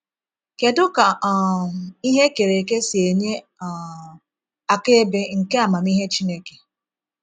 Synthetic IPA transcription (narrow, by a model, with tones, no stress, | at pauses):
ke˨dʊ˦ka˨i˦ɦe˦ke˨ɾe˨ke˦si˨e˨ɲe˦˨ | a˨ke˦be˦ŋ̩˨ke˦a˨ma˨mi˦ɦe˦t͡ʃi˦ne˦ke̥˨